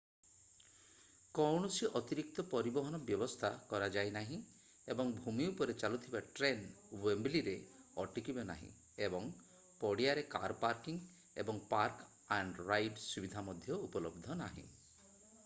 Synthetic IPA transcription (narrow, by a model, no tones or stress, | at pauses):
kɔwɳɔsiʔɔt̪iɾik̚t̪ɔpɔɾibɔɦɔnɔbjɔbɔst̪ʰakɔɾad͡ʒajnaɦĩ | ebɔŋbʱumiupɔɾet͡ʃalut̪ʰibaʈɾen | wembliɾe | ɔʈikibenaɦḭ̃ | ebɔŋ | pɔɽiaɾeka̰ɾpaɾkiŋ | ḛbɔŋpaɾk | aɳɖɾajɖsubid̪ʱamɔd̪ʱjɔupɔlɔbd̪ʱɔnaɦḭ̃